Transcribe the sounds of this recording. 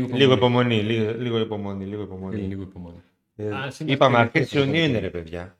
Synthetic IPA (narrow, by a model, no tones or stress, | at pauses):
liɣoipo̞mo̞nililiɣoipo̞mo̞niliɣoipomoni | ipɐmeɐɾesionioineɾepeðʝɐ